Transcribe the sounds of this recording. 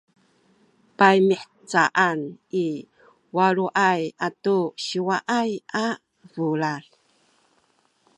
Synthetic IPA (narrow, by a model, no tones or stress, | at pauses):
pajmiħ | t͡saʔani | waɾuʔajatuɕiwaʔaja | vulal